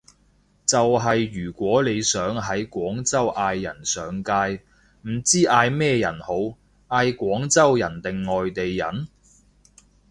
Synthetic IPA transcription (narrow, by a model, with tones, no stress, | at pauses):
t͡sɐ˨wɦɐ˨jːyː˨˩kʷɔː˨˥le˨˧jsœː˨˥ŋɦɐ˨˥jkʷɔː˨˥ŋt͡sɐ˥wʔaː˧jːɐ̰˨˩nsœː˨ŋkaː˧j | m̩˨˩t͡siː˥ʔaː˧jmɛː˥˧jɐ˨˩nho˨˧˥w | ʔaː˧jkʷɔː˨˥ŋt͡sɐ˥wjɐ̰˨˩nt̪ɪ˨ŋːɔː˨jt̪e˨jːɐ˨˩n